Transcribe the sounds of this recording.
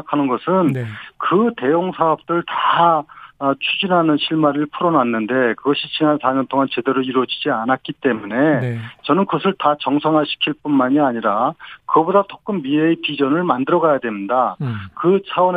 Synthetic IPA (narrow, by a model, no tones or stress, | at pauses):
kʰanɯnɡʌsʰɯnkɯte̞joŋsʰaʌp̚t͈ɯɭta | t͡ɕʰud͡ʑinɦanɯnɕʰiɭmaɾiɭpʰuɾʌnanːɯnde̞kɯɡʌɕʰit͡ɕinansʰaɲʌntʰoŋant͡ɕe̞de̞ɾoiɾwʌd͡ʑid͡ʑianat̚k͈it͈e̞mune̞t͡ɕʌnɯnkɯʌsʰɯɭtat͡ɕʌŋsʰʌŋɦaɭɕʰi̥kʰiɭp͈unmaɲiaɲiɾakɯɡʌbodat͡ɕ͈ʰok͈ɯmːiepid͡ʑʌnɯɭmandɯɾʌɡajadwe̞midakɯt͡ɕʰawʌn